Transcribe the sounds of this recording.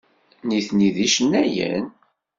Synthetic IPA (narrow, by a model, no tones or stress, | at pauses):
niθniðiʃənːæjə̰n